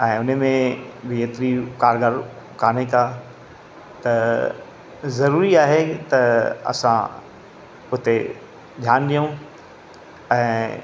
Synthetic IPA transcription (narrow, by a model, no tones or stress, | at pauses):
ɛ̃ːʊnəmẽbɪeːt̪ɾikaːɾɡəɾkaːn̤ekaː | t̪ɐ | zɐɾuːɾiaːɦet̪ɐɐ̰sã̰ | ʊt̪e | d͡ʑʱaːnɗijũ | ɛ̃ː